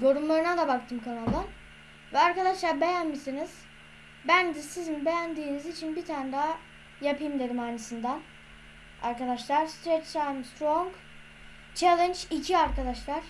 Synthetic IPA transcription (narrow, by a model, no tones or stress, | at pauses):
jo̞ɾumlˠaɾɯnad̪abakt̪ʰɯmkʰanalˠɯ | vɛaɾkad̪aʃlˠaɾbe̞jænmisiniz̥ | bænd̪ɛsizinbe̞jænd̪iːnizit͡ʃʰinbit̪ʰand̪a | japʰɯjmlˠeɾɯmaɾt͡ʃʰɯsɯnd̪an | a̰ɾkad̪aʃlˠaɾst̪ɾet̪t̪ʰajmst̪ɾoŋɡ | t͡ʃʰelˠɛnd͡ʒicʰiaɾkad̪aʃlˠaɾ̥